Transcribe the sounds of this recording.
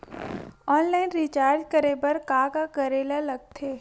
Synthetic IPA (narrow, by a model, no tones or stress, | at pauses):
ɔːnlaːɪnɾit͡ʃaːɾd͡ʒkəɾebəɾkaːɡakɐɾeːlalɐɡ̚t̪ʰeː